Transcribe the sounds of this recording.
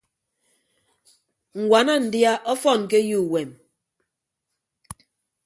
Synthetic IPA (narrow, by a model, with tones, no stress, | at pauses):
ŋ̩˨ɡwa˨na˦n̩˨dja˦ʔɔ˦fɔ˦˨n˨k̬e˦ju˦˨we˨m